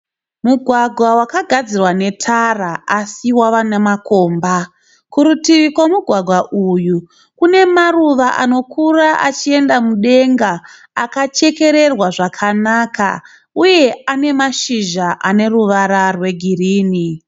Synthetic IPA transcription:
muɡʱwaɡʱwawakaɡʱad͡zirwane̞tʰaraasiwaʋanemako̞ːmba | kuɾutiʋikwamuɡʱwaɡʱwaʔuju | kune̞maruʋaʔano̞kʰuraʔat͡ʃie̞ndamuɗe̞ŋɡaː | kat͡ʃe̞ke̞ɾe̞rwaʐakʰanaka̰ | uje̞ane̞maʃiʒaʔane̞ruʋaɾarwe̞ɡʱiriːni

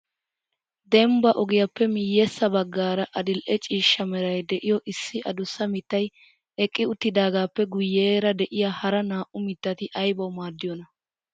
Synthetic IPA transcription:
d̪ɛmbɐʔɔɡɪjɐpːɛmɪjːɛsːɐbɐɡːaːɾɐʔɐd̪ɪlʔɛt͡ʃʼiːʃːɐmɛɾɐjd̪ɛʔɪjɔʔɪsːɪʔɐd̪ʊsːɐmɪt̪ːɐj | ʔɛkʼːɪʊt̪ːɪd̪aːɡaːpːɛɡʊjːeːɾɐd̪ɛʔɪjaːhɐɾɐnaːʔʊmɪt̪ːɐt̪ɪʔɐjbɐwmaːd̪ːɪjɔnɐ

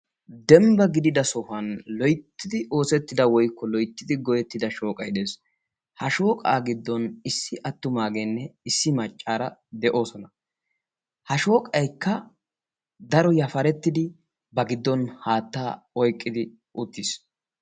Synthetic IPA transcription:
d̪ɛmbɐɡɪd̪ɪd̪ɐsɔhɐnlɔjt̪ːɪd̪ɪʔo̞ːsɛt̪ːɪd̪ɐwɔjkːɔlɔjt̪ːɪd̪ɪɡɔjɛt̪ːɪd̪ɐʃoːkʼɐjd̪eːs | hɐʃoːkʼaːɡɪd̪ːɔnɪsːɪʔɐt̪ːʊmaːɡenːɛɪsːɪmɐt͡ʃʼːaːɾɐd̪ɛʔo̞ːsɔnɐ | hɐʃo̞ːkʼɐjkːɐ | d̪ɐɾɔjɐfɐɾɛt̪ːɪd̪ɪ | bɐɡɪd̪ːɔnhaːt̪ːaː | ɔjkʼːɪd̪ɪ | ʔʊt̪ːis

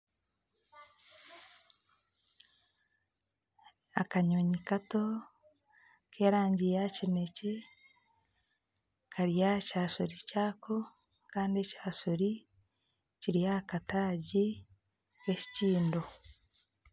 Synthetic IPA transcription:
akaɲoɲikato̞ | kʰeːɾaːɲɟijacine̞ce | kʰaɾijacaːʃoɾicaːkʰo | kaːndiecaːʃoɾi | ciɾijakataːɟi | keci̥ciːndo

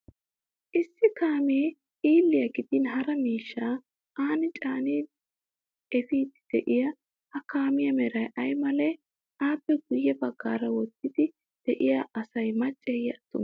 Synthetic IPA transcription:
ʔɪsːɪkaːmeː | ʔiːlːɪjɐɡɪd̪ɪnɦɐɾɐmiːʃːaː | ʔaːnɪt͡ʃʼaːniː | ɛfiːd̪ɪ̥d̪̥ɛʔɪjɐ | hɐkaːmɪjɐmɛɾɐjʔɐjmɐlɛ | ʔaːpːɛɡʊjːɛbɐɡːaːɾɐwɔt̪ːɪd̪ɪ | d̪̥ɛʔɪjaʔɐsɐjmɐt͡ʃʼːɛjɐɐt̪ːʊ̰n

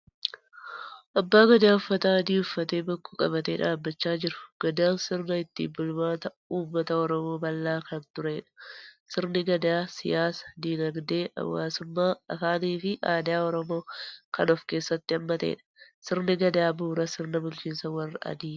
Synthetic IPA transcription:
ʔɐbːaːɡɐd̪aːʊfːɐt̪aɐd̪iːʊfːɐt̪e̞ːbɐkːuːkʼɐ̰βɐt̪eːᶑaːbːɐt͡ʃːaːd͡ʒɪɾʊ̥ɡ̥ɐd̪aːnsɪɾnɐɪt̪ːḭbʊlmaːt̪ɐ | uːmːɐt̪ɐɔɾɔmo̞ːbɐlːaːkɐnt̪ʊɾe̞ːᶑɐ̥sɪɾnɪɡɐd̪aːsɪjaːsɐ̥d̪iːnɐɡd̪e̞ːʔɐ̰wːa̰ːsʊmːaːɐfaːniːfɪʔaːd̪ɪaːɔɾɔmo̞ːkɐnɔfke̞ːsːɐt̪ːɪɐmːɐt̪e̞̰ːᶑɐ̥sɪɾnɪɡɐd̪aːbuːɾɐsɪɾnɐbʊlt͡ʃiːnsɐwɐrːɐʔɐ̰d̪iː

